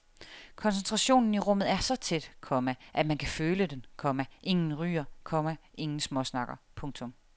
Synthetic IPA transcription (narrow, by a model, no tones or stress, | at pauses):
kʰɒ̽ns̬ent͡sʰʁɑ̈ɕo̝̰ːnn̩iʁɔ̽m̰ð̩ˠæɐsɒ̽t͡sʰed̥kʰɒ̽mæʔæd̥mænkʰæføːləd̥enkʰɒ̽mæʔe̝ŋn̩ʁy̰ːɐkʰɒ̽mæʔe̝ŋn̩smɒ̽snɑ̈ɡ̥ɐpʰɔ̽ŋt͡sʰɔ̽m